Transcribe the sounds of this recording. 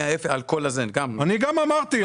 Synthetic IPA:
ajefealkolazenɡamaniɡamamaʁt̪i

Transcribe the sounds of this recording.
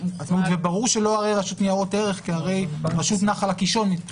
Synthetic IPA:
atmut̪vebaʁuʁʃe̞lo̞aʁe̞jʁaʃut̪niaʁo̞te̞ʁe̞χkiaʁe̞jʁaʃut̪naχalakiʃo̞ni

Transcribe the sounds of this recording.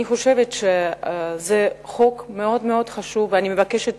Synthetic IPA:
iχo̞ʃevetʃezeχo̞kme̞o̞dmeo̞dχaʃuvːeanime̞vakeʃet

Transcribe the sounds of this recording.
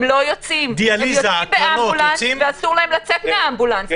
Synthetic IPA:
mlo̞jot͡simd̪ialijzbeambulanveasuʁlahemlat͡set̪meaambulant

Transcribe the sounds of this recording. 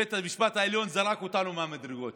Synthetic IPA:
et̪ɐviʃpat̪aɐliõnd̪zɐɾakut̪anumamɐd̪ɾɨɣot̪

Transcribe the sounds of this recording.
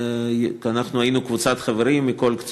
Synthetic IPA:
anaχnuajinukvut͡sat̪χaveɾimːiko̞lkt͡s

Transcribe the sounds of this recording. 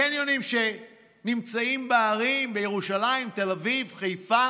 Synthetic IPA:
enjonimʃe̞ | nimt͡saimbeaʁimbejeʁuʃalaimt̪e̞lavivχejfa

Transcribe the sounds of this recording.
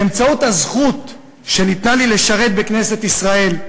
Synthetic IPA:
emt͡saut̪azχut̪ | ʃe̞nit̪nalile̞ʃaʁe̞t̪̚bekne̞se̞t̪isʁae̞l

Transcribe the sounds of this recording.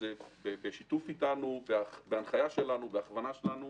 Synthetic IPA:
ebebeʃitufitanubeabeanχajaʃelanubeaχvanaʃelanu

